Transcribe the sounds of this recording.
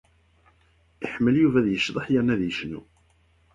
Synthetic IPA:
iħmːəljuvæðjəʃðˤəħjəɾnæðjəʃnṵ

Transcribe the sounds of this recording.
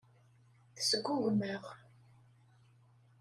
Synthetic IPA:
θə̥səɡʷːuɣməʁ

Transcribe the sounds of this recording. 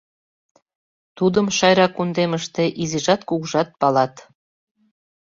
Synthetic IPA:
t̪ud̪əmʃɑjɾɑkund̪eməʃt̪eʔiziʒɑt̪kuɣʒɑt̪̚pɑlɑt̪

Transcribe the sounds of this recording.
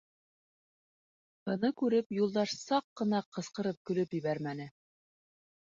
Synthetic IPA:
hɤ̆nɤkʉɾɘpjulˠd̪ɑʃsɑqːɤ̆nɑqɤ̆sqɤ̆ɾɤp̚kɵ̆lɵpjɘ̆βæɾmænɘ

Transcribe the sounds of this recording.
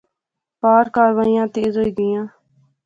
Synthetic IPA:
paːɾkaːɾʋaːijãːt̪eːzɦoiːɡɪjãː

